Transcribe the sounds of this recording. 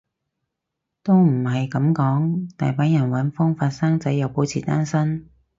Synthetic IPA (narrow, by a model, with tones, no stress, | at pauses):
t̪o˥wm̩˨˩ɦɐ˨jkɐ˨˥mkɔː˨˥ŋt̪a̰ː˨jpaː˨˥jɐ˨˩nwɐ˨˥nfʊ˥ŋfaː˧t̚saː˥ŋt͡sɐ˨˥jɐ˨˧wpo˨˥wt͡sʰiː˨˩t̪aː˥nsɐ˥n